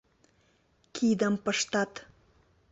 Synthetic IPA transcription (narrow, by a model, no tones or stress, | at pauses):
kʲʰid̪əmpəʃt̪ɑt̪